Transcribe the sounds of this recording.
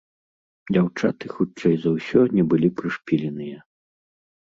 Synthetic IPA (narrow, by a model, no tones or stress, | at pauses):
d͡zʲawt͡ʂat̪ɨxut͡ʂɛjzɐwsʲɔnʲɛbɨlʲipɾɨʂpʲilʲɛnɨjɐ